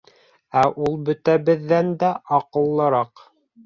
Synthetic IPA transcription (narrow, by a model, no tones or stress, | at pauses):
æʔulˠbɵ̆t̪æβɘ̆ðːænd̪æʔɑqɤ̆lˠːɤ̆ɾɑq